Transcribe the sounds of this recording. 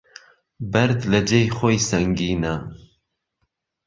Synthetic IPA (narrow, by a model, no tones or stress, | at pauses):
bɐɾd̪lɐd͡ʒejxoːjsɐŋɡiːnɐ